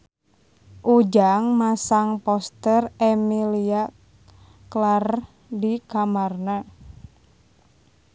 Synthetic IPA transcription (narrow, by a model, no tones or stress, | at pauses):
ʔud͡ʒaŋmasaŋpɔst̪əremilia | klar | dikamarna